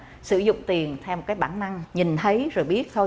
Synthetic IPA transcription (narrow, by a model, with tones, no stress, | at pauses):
sɨ˧˩zʊ̰˧˨ŋ͡mt̪i˨˩ənt̪ʰɛ˧wmo˨˩kaː˨˦jɓaː˧˩nːa˧ŋɲi˨˩nt̪ʰə˨˦jzo˨˩jɓi˦˥ət̚t̪ʰo˧j